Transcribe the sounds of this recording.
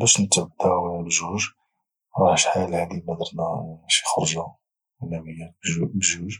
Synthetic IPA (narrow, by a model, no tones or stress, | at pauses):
bæʃnət̪ʕəd̪ːaʕlʒuʒ | ɾˤɑʃħajælʕad̪ibæd̪əɾˤnæmæʃixɾˤʒa | wəlːæməjːæbbəʒuʒ